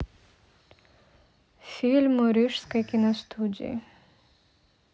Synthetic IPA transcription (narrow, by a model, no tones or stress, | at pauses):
filmoɾiʂskakinɐst̪ʰud͡ʑḭ